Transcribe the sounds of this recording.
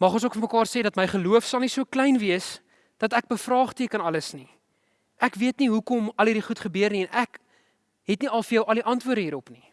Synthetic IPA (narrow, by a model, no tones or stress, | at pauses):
mɐχɔns̬uəkfəməkɑːrseːdɐtməjχəluəfsɐlˠnisuəklɛjnviəs | d̥ɐtæk̚bəfrɑːχtiəkənɐləsni | ʔækviətniɦukɔmɐlidiχutχəbøərniɛnʔæk | ɦɛtniɐlˠfərjœwʔɐliʔɐntvuədəiːɾɔpni